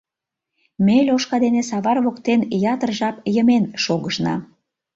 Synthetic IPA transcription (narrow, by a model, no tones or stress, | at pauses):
melʲoʃkɑd̪enes̬ɑβɑrβokt̪enjɑt̪ərʒɑpjəmenʃoɣəʃnɑ̰